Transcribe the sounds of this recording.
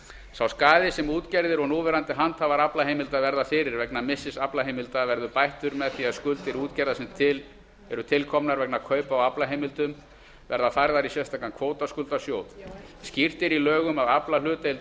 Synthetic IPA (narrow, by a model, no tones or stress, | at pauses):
sawskaːðɪsɛmuːt̪cɛɾðɪɾɔɣnuːvɛɾant̪ɪɦant̪havaɾaplaɦejmɪlt̪aðvɛɾðafɪːɾɪɾvɛknamɪsːɪsaplaɦejmɪlt̪avɛɾðʏpajht̪ʏɾmɛðθiaðskʏlt̪ɪɾuːt̪cɛɾðasɛmt̪ʰɪ | ɛɾʏt̪ʰɪlkʰɔmnaɾvɛk̚nakʰœːɥpawaplaɦejmɪlt̪ʏm | vɛɾðafajɾðaɾisjɛst̪ʰaːkankʰvoːwt̪askʏlt̪asjoːwðscir̥t̪ɪɾilœːɣʏmaðaplalʏːt̪el